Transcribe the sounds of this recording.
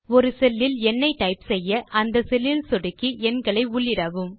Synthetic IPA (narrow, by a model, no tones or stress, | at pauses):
ɔɾɯsɛlːɪlɛnːɐɪʈːɐɪpsɛjːɐʔɐnd̪ɐsɛlːɪlsɔɽɯkːiɛnɡɐɭɐɪʊɭːɪɽɐʋɯm